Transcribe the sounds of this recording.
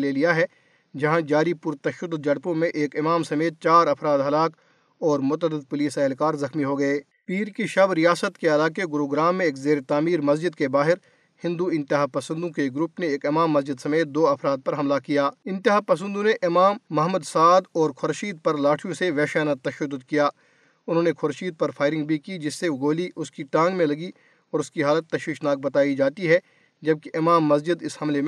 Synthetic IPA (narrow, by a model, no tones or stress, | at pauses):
leːlijaɦɛ | d͡ʒɐɦãd͡ʒaːɾipʊɾt̪ɐʃəd̪d͡ʒɐɽpõmẽʔeːkɪmaːmsɐmeːt̪̚t͡ʃaːɾɐfɾaːd̪ɦɐlaːk | ɔːɾmʊt̪əd̪ɪd̪̚pʊliːsɛɦlkaːɾzɐxmiɦoɡɐeː | piːɾkiʃɐbɾijaːsət̪keɐlaːkeɡʊɾoːɡɾaːmːẽeːkzeːɾet̪aːmiːɾmɐsd͡ʒɪd̪̚kebaːɦɪɾ | hɪ̃nd̪uɪ̃nt̪ɪɦaːpɐsə̃nd̪õkeɡɾupneeːkɪmaːmːɐzd͡ʒɪd̪sɐmeːt̪̚d̪oːɐfɾaːd̪̚pɐɾɦɐmlakijaːɪ̃nt̪ɪɦaːpɐs̬ə̃nd̪õneʔɪmaːmːɐɦmʊd̪saːd̪ɔːɾkʰʊɾʃiːd̪̚pɐɾlaːʈʰijõseʋɛːʃaːnat̪ːɐʃəd̪ːʊd̪kijaː | ʊnɦõːnekʰʊɾʃiːd̪̚pɐɾpʰaːɪɾɪ̃ŋɡbʱikid͡ʒɪsːeɡoːliʔʊskiʈãːŋɡmẽlɐɡi | ɔːɾʊskiɦaːlət̪ːɐʃiːʃnaːk̚bɐt̪aːid͡ʒaːt̪iɦɛ | d͡ʒɐb̚keʔɪmaːmːɐsd͡ʒɪd̪ɪshɐmlem̃